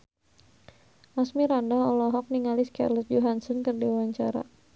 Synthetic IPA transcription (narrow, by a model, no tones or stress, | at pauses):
ʔasmiɾandaɔlɔɦɔk̚niŋaliska̰rlɔt̪̚d͡ʒoɦansɔnkɨrdiwwaɲt͡ʃaɾa̰